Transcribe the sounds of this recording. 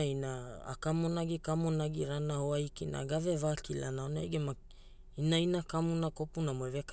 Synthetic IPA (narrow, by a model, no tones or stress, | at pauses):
ina̰ːkamonaɡikamonaɡiɾanahoajkina̰ɡavevakilanaona̰jɡema | inainakamunakopunamoevek